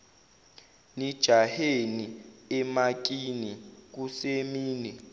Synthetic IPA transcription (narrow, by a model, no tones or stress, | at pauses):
nid̥ʒ̥ʱaheniɛmak̬ʼinik̬usemiːnɛ